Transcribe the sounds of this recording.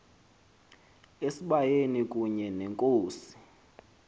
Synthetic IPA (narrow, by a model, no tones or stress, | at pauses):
esiɓajenik̬ʼuɲɛnɛŋkʼoːsi̥